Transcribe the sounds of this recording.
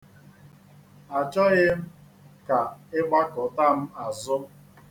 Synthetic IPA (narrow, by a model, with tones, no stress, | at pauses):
a˨t͡ʃɔ˦ɣɪ˦m̩˦ | ka˨ɪ˦ɡ͡ba˦kʊ˨ta˦m̩˦a˨zʊ˦